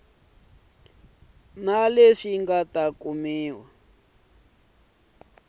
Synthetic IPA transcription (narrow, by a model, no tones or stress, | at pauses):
naleʂiŋɡatakumiːwa